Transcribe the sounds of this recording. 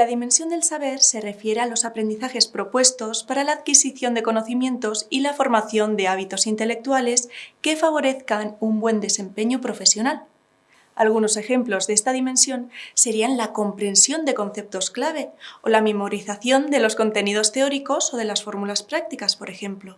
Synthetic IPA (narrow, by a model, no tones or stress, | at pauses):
laðimẽ̞nsjo̞nd̪e̞lsaβe̞ɾse̞re̞fje̞ɾealo̞sapɾe̞nd̪iθaxe̞spɾo̞pwe̞st̪o̞spaɾalaːðkisiθjo̞nd̪e̞ko̞no̞θimjẽ̞nt̪o̞silafo̞ɾmaθjo̞nd̪e̞aβ̞it̪o̞sint̪e̞le̞k̚t̪uale̞ske̞faβ̞o̞ɾe̞θkanumbwe̞nd̪e̞se̞mpe̞ɲopɾo̞fe̞sjo̞nal | a̰lɣ̞uno̞se̞xe̞mplo̞zðe̞st̪aðimẽ̞nsjo̞nse̞ɾianlako̞mpɾe̞nsjo̞nd̪e̞ko̞nθe̞p̚t̪o̞sklaβ̞e̞olame̞mo̞ɾiθaθjo̞nd̪e̞lo̞sko̞nt̪e̞nið̞o̞st̪e̞o̞ɾiko̞so̞ð̞e̞lasfo̞ɾmulaspɾak̚t̪ikaspo̞ɾe̞xe̞mplo̞